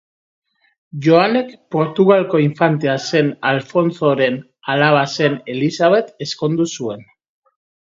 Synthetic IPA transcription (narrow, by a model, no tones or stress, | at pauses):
ʝo̞ane̞kpo̞ɾt̪uɣalko̞iɱfant̪̬ease̞nalfo̞nt͡so̞ɾe̞n | alaβ̞ase̞ne̞lisaβe̞t̪e̞sko̞nd̪usue̞n